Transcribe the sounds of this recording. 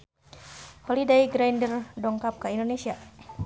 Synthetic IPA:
holidajɡɾajndərdɔŋkap̚kaindonesia

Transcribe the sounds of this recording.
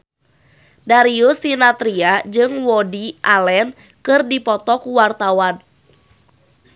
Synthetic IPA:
daɾiusinat̪ɾiad͡ʒɨŋwɔdiʔalɛn | kɨrdipɔt̪ɔkuwart̪awan

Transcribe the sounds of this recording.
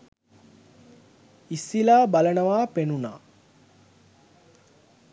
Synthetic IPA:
isilaːbalənəʋaːpenuna̰ː

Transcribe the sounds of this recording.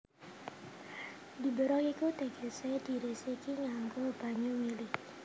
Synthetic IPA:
di̤bəɾɔkikut̪eɡɛsed̪̥i̤ɾesikiŋaŋkɔb̥a̤ɲumilɪh

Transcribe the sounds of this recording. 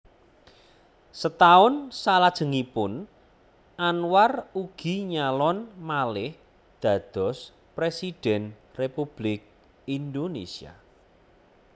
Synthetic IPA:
sət̪aʊnsalad̥ʒ̥ə̤ŋipʊn | ʔanwaruɡ̥i̤ɲalɔnmalɪh | d̪̥ä̤d̪̥ɔ̤s | pɾesid̪̥ɛnrepub̥lɪk̚ | ind̪onesia̰

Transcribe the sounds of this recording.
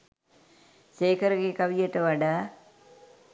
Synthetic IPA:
seːkəɾəɡekaʋijəʈəʋaɖaː

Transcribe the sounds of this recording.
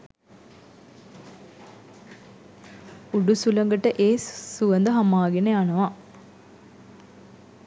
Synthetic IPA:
uɖusulɐŋɡəʈəʔeːsuʋənd̪əɦɐmaːɡeneanɐʋa

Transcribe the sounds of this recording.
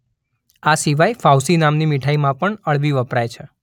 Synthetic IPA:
asiʋajfawsinamnimiʈʰaimãpəɳəɭbiʋəpɾajt͡ʃʰe

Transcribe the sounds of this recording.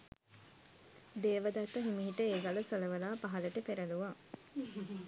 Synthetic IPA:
d̪eːʋəd̪ɐt̪ːəɦemiɦiʈəeːɡaləsoləʋəlaːpaɦɐləʈəpeɾɐluʋa

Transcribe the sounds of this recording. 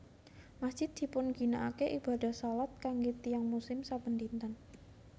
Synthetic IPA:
masdʒ̥ɪd̪̚d̪̥i̤pʊnɡ̥inaʔakeʔiba̤d̪a̤hsalat̪̚kaŋɡet̪ijaŋmusɪmsapənd̪int̪an

